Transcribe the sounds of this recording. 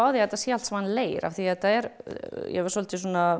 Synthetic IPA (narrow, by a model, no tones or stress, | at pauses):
aːwðjɛt̪ːasjɛal̥t̪sɛmanːleːjɾʔa̰vθiɛt̪aɛɾjɛ̰vaɾ̥sɔlt̪ɪs̬ɔna